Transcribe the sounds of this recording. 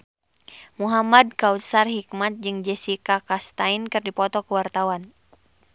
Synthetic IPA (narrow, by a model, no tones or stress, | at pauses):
muɦamad̚kausarɦik̚mat̪̚d͡ʒɨŋd͡ʒɛsikakast̪ainkɨrdipɔt̪ɔkuwart̪awan